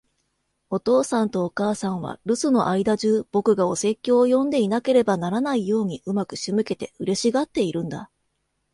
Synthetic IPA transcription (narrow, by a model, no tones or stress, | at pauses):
o̞t̪o̞ːsãnt̪o̞ːkaːsãɰ̃β̞a̰ɾɯ̟sɨno̞̰ʔaid̪aʑɨːb̥o̞kɯ̟ɡao̞se̞kʲːo̞ːjõ̞nd̪e̞inake̞ɾe̞banaɾanaijo̞ːɲ̟iʔɯ̟makɯ̟̥ɕimɯ̟ke̞t̪e̞ɯ̟ɾe̞ɕiɡat̪ːe̞iɾɯ̟̃nd̪a̰